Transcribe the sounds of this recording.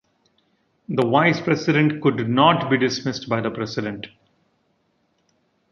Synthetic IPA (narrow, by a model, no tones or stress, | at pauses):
d̪əʋaɪzpɾɛsɪɖẽɳʈkʊɖnɔːʈbiːɖɪsmɪsʈbaɪd̪əpɾɛsɪɖẽɳʈ